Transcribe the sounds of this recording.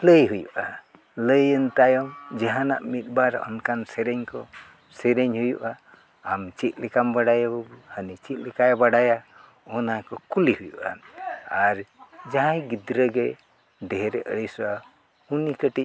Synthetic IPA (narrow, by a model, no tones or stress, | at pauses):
ləjɦujuʔa | ləjənt̪ajɔmd͡ʒaɦana̰ʔmit̪̚ˀbaɾɔ̰nkansɛɾɛɲkɔ | sɛɾɛɲhujuʔaː | mt͡ʃit̪̚ˀlɛkambaɽajabəbuhənit͡ʃit̪̚ˀlɛkajbaɽaja | ɔnakɔkulihujuʔa̰aɾd͡ʒaɦãjɡid̪ɾəɡɛ | d̪ɛɦɛɾɛʔəɽəjsɔa | hunikəʈic̚